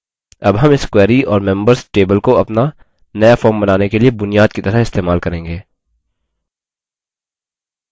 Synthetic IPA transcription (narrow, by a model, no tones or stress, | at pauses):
ɐbɦɐmɪskwɛːɾiɔːɾmɛ̃mbəɾzʈeːbəlkoɐpna | nɐjafɔːɾmbɐnaːnekeliebʊnijaːd̪̚kit̪ɐɾəɦɪst̪eːmaːlkɐɾẽːŋɡeː